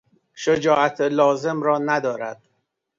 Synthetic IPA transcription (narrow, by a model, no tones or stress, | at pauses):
ʃod͡ʒɒːʔæt̪ʰelɒːze̞mɾɒːnæd̪ɒːɾæ̰d̪̥̚